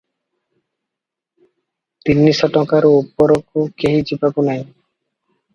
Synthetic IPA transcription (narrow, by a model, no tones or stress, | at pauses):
t̪inːisɔʈɔkaɾoupːoɾokokeɦid͡ʑipakunaj